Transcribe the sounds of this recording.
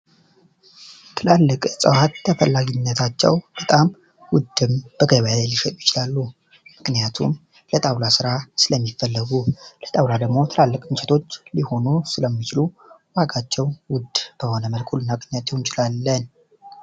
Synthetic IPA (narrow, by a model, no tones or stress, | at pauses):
t̪ʰɨlalːɨkʼsʼɨwat̪ːʰəfəlːaɡinːət̪ʰat͡ʃːɛ̰wb̥ət̪ʼam | wʊd̪ːɨmb̥əɡəβjalajliʃɛt̪ʼujɪt͡ʃɪlalːu | mɨknijat̪ʰṵm | lət̪ʼawlasɨɾasɨləmːifːəlːəɡulət̪ʼawlad̪əɡmo̞t̪ʰɨlalːəkʼɨnt͡ʃɛt̪ʰo̞t͡ʃːliho̞nusɨləmːit͡ʃɪlu | waɡat͡ʃːɛwwʊd̪b̥əho̞nəməlkʰʼulnːaɡʼɲat̪ʰjɛwɪnt͡ʃʼɪlalːən